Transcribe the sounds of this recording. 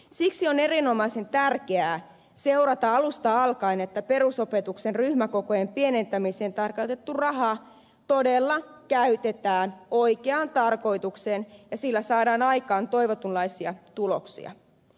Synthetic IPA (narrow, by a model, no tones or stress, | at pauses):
siksione̞ɾinomɑisent̪ærkeæː | seurɑt̪ɑɑlust̪ɑɑlkɑinet̪ːæpe̞ruso̞pet̪uksenryhmæko̞kojempienent̪æmiseːnt̪ɑrkot̪et̪ːurɑɦɑ | t̪odelːɑ | kæyt̪et̪æːnoikeɑnt̪ɑrko̞it̪uksenjɑsilːæsɑːdɑːnɑjkɑːnt̪o̞iʋot̪unlɑisiɑt̪ulo̰ksḭɑ̰